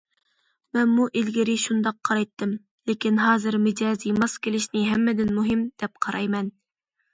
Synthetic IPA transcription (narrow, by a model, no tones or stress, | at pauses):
mɛnmuʔilɡʲɪɾɪʃund̪ɑqʰːɑɾɑjt̪ʰːɨm | lɪkʲinɦɑːzɨɾmɪd͡ʒɑːzimɑskʲʰelɪʃnɪɦɛmːɪd̪ɪnmuɦɪmd̪̥ɛp̚qʰɑɾʔɑjmɛn